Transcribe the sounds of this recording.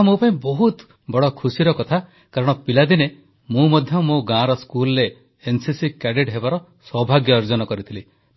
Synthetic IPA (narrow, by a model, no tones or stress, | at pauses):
mũpaĩbɔɦut̪ | bɔɽɔkʰusiɾɔkɔt̪ʰa | kaɾɔɽ̃ɔpilad̪ine | mũmɔd̪ʱjɔmũɡãɾɔskulɔɾeː | nsisikɛɖeʈɦebaɾɔ | sɔbʱaɡjɔːɾd͡ʒɔnɔkɔɾit̪ʰili